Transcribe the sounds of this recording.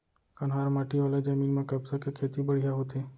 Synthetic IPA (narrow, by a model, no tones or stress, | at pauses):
kɐnɦaːɾmaːʈʰiʋaːled͡ʒəmiːnmãkɐbsakekʰeːt̪ibəɽ̤ijaɦot̪ʰeː